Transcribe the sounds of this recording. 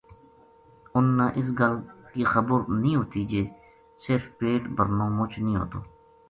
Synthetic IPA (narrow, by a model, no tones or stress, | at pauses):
ʊnːãːʔɪs̬ɡəlkiːxəbəɾnĩːɦoːt̪iːd͡ʒeː | sɪɾfpeːʈbəɾnõːmʊt͡ʃʰnĩːɦo̰ːt̪o̰ː